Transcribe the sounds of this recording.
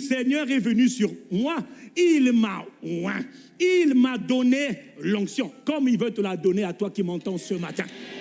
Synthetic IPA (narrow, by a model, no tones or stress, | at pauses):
sɛɲœːʁɛvənysyʁmwailmawɛ̰̃ | ilmad̪ɔnelɔ̃ksjɔ̃kɔmilvøt̪əlad̪ɔneat̪wakimɑ̃t̪ɑ̃səmat̪ɛ̰̃